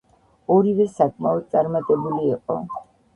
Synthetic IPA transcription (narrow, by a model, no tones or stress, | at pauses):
ɔɾivɛsakʼmaɔd̪̚t̪sʼaɾmat̪ʼɛbuliːqʼɔ